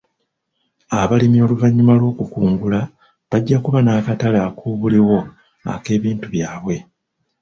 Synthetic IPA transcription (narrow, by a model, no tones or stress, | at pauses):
aβalimio̞ːluvaɲːumalwo̞ːkukuːŋɡula | βaɟːakuβanaːkatalaːkuːβuliwo̞ | a̰ke̞ːβiːntuβjaːβwe̞